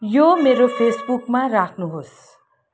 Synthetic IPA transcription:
jomeɾopʰesbukmaɾakʰnuɦos

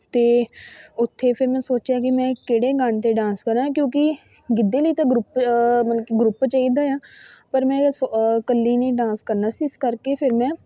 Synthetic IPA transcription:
t̪eːʊt̪ʰːeːpʰɪɾmɛ̃ːsoːt͡ʃjaːk̬ɪmɛ̃ːkeːɽeːɡəɳt̪eːɖãːnskəɾaːkjõːkɪ | ɡɪd̪ːeːləiːt̪ãːɡɾʊpməɡɾʊpt͡ʃaːiːd̪aːjãːpəɾmɛ̃ːskəlːiːnĩːɖãːnskəɾnaːsiːɪskəɾkeːpʰɪɾmɛ̃ː

